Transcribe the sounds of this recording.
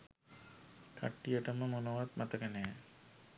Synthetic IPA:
kʰa̰ʈːijəʈəməmonoʋat̪mɐt̪əkənejɛ

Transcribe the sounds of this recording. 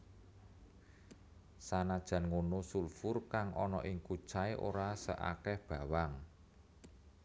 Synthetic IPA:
sanad̥ʒ̥ä̤nŋonosulfʊrkaŋʔɔnɔ̰ʔɪŋku̥t͡ʃaeʔo̰ɾasə̰ʔa̰kɛhb̥ä̤waŋ

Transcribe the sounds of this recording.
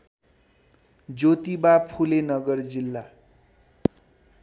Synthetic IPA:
d͡zot̪ibapʰulenʌɡʌrd͡zilːa

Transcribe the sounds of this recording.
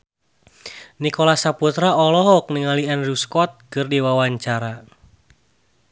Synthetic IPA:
nikɔlasaput̪ɾaɔlɔɦɔk̚nəŋalianruskɔt̪̚kɨrdiwawaɲt͡ʃaɾa

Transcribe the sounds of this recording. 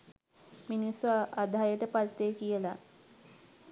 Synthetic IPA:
minisoad̪ʱajəʈəpalt̪ːeːkijəla

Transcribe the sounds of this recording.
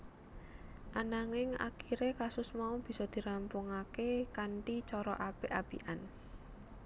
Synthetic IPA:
ʔanaŋɪŋa̰kiɾekasʊsmaub̥i̤sɔd̪̥i̤ɾampʊŋakekaɳʈit͡ʃɔɾɔʔapeʔab̥ḭʔan

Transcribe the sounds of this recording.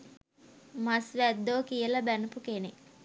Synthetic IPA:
masʋæd̪ːoːkijəlɐbænupukenek

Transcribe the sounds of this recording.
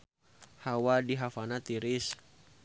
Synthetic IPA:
hawadiɦafanat̪iɾɪs

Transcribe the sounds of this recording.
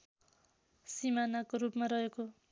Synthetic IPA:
simanakoɾupmarʌɦeko

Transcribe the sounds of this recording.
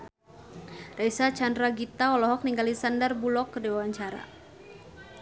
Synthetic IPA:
rɛsat͡ʃandɾaɡit̪aɔlɔɦɔk̚niŋɡalisandərbulɔkːədɛwawaɲt͡ʃaɾa̰

